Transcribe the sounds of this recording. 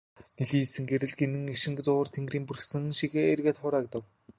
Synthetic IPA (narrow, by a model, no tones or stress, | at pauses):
neɮiːsɘ̆ŋɡeɾɘ̆ɮɡenɘ̆ŋeʃɪ̆ŋɡt͡sʊːrt̪ʰeŋɡriːmpurxsɘ̆ŋʃiɣeːerɣeːt̪χʊːɾaːk̚t̪ə̆w